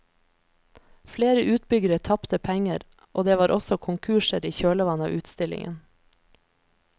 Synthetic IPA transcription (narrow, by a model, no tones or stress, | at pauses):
fleːɾəʔʉːt̪̚bʏɡəɾət̪ʰɑpt̪əpʰæŋəɾ | ʔoːd̪eːʋɑːɾʔɔsɔkʰʊŋkʰʉːʃəɾiːçøːɭəʋɑnɑ̰ːʔʉːt̪st̪ɪlɪ̰ŋə̰n